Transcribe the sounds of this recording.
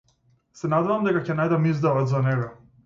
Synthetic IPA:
sɛnaːd̪aʋamd̪aɡakɛnajd̪amizd̪aɔd̪zanɛɡa

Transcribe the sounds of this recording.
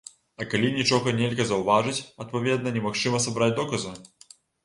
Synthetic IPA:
ɐkalʲinʲit͡ʂɔɣɐnʲelʲɣɐzɐwvaʐɨt͡sʲɐt̪̚pavʲɛd̪̚nɐnʲɛmaxt͡ʂɨmɐsabɾad͡zʲd̪ɔkɐzu

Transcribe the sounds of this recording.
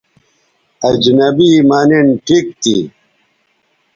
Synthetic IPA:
ɐd͡ʑnɐbimaːninʈʰik̚t̪i

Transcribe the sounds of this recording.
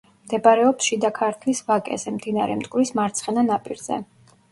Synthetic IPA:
md̪ɛbaɾɛɔpsʃid̪akʰaɾt̪ʰlisvakʼɛ̰zɛmd̪inaɾɛ̰mt̪ʼkʼvɾismaɾt̪sʰχɛnanapʼiɾzɛ̰

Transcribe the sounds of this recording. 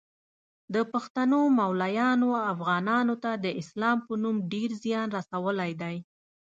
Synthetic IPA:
d̪əpaxt̪anomawlajɑnoafɣɑnɑnot̪ad̪əʔɪslɑmpənumɖeɾzjɑnɾasawəlajd̪aj

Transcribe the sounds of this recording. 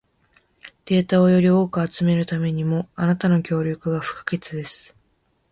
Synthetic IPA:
d̪̥e̞ːt̪ao̞jo̞ɾʲio̞ːkɯat͡sɨme̞ɾɯ̟t̪ame̞ɲ̟imo̞anat̪ano̞kʲo̞ːɾʲokɯ̟ɡaɸɯ̟̥kḁɡe̞t͡sɨd̪e̞sɨ̥

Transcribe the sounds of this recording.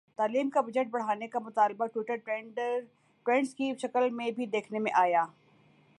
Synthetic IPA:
t̪aːliːmkabɐd͡ʒəʈ̚bɐɽ̤aːnekamʊt̪aːlbaʈwɪʈəɾ | ʈɾɛ̃ɳɖskiʃɐkəlmẽbʱid̪eːkʰnemẽʔaːjaː

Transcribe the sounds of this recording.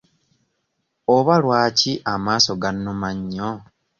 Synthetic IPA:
oβalwaːciʔamaːso̞ɡanːomaɲːo

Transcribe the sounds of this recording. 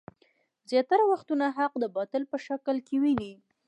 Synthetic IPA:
zjɑt̪aɾawaxt̪unaɦaq̚d̪əbɑt̪əlpəʃaklkewini

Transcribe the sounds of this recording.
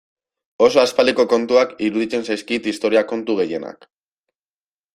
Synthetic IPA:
o̞so̞aspaliko̞ko̞nt̪uakiɾuðit͡se̞nsajskit̪ist̪o̞ɾiako̞nt̪uɣe̞je̞na̰k

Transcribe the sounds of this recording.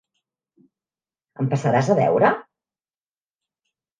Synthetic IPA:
əmpəsəɾazəβɛ̰wɾə

